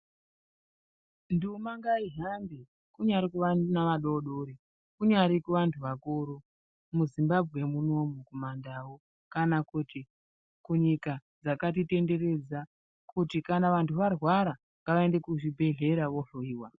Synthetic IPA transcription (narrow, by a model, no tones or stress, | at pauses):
ndumaŋɡaiɦanbe | kuɲaɾikuʋanaʋaɗoɗoɾi | kuɲaɾikuʋantʰuʋakuɾo | muzimbabʱɣemuno̞mukomandawo̞ | kanakuti | kuɲikad͡zakatite̞nde̞re̞d͡za | kutikanaʋantʰuʋarwaɾa | ŋɡaʋae̞nde̞kuʐibʱe̞ɮe̞ɾaʋo̞ʐoiːwa